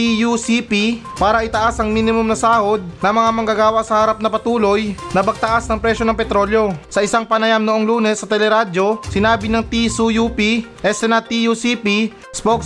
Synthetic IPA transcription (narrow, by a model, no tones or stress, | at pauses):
ijusipi | paːɾɐʔɪt̪ɐʔasʔɐŋminɪmʊmnɐsaːho̞d̪̚nɐŋmɐŋamɐŋɡaɡaːwɐʔsɐhɐɾap̚nɐpɐt̪uːlo̞jnɐbɐɡ̚t̪ɐʔasnɐŋpɾɛʃjo̞nɐŋpɛt̪ɾo̞ːljo̞sɐʔɪsaŋpɐnɐjamnoʔoŋluːnɛsːɐt̪ɛlɛɾado̞sɪnaːbɪnɐŋt̪isujupiʔɛsɛnɐt̪ijusipi | spok